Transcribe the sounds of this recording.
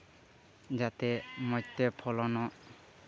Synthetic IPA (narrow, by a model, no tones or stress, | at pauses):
d͡ʒat̪ɛmɔjt̪ːepʰɔlɔnɔ